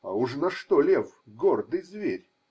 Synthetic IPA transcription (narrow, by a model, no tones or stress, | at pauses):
ɐuʂnɐʂt̪ɔlʲefɡɔrd̪ɨjzvʲeɾʲ